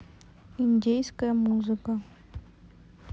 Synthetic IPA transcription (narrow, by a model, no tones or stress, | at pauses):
inʲdʲejskəjəmuzɨkə